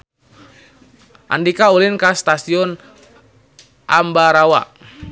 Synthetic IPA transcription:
ʔa̰ndikaulinkast̪asiɔn | ʔambaɾawa̰

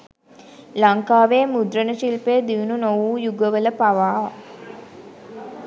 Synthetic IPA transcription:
laŋkaːʋeəmud̪ɾənəʃilpejəd̪iʋununoʋuːjuɡəʋələpaʋaː

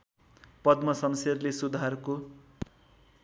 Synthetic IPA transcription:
pʌd̪mʌsʌmserlesud̪ʱarko

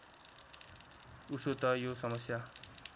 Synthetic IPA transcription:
usot̪ʌjosʌmʌsja

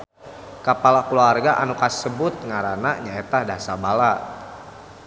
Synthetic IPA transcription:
kapalakuluarɡaʔanukasəbʊt̪̚ŋaɾanaɲaet̪ahdasabala

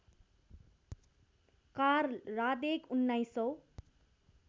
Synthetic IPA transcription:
karrad̪ekunːajsʌw

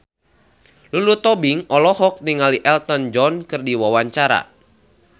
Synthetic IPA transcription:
lulut̪ɔbiŋɔlɔhɔk̚niŋaliʔɛlt̪ɔnd͡ʒɔnkɨrdiwawaɲt͡ʃaɾa̰

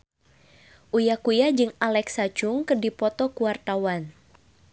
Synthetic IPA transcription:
ʔujakujad͡ʒɨŋalɛksat͡ʃʊŋkərdipɔt̪ɔkuwart̪awan

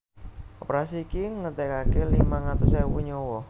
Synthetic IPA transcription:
opɾasiːkiŋət̪ɛkakelimaŋat̪ʊsɛwuɲɔwɔ

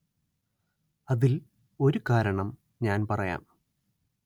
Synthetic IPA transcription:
ɐðil | o̞ɾukaːɾɐɳɐm | ɲaːnpɐrɐja̰ːm

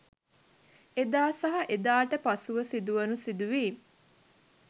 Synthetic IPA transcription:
ed̪aːsɐɦɐʔed̪aːʈəpasuʋəsid̪uʋənusid̪uʋiː

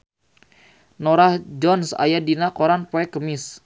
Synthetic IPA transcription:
nɔɾahd͡ʒɔnsa̰jadinakoɾanpoɛkəmɪs

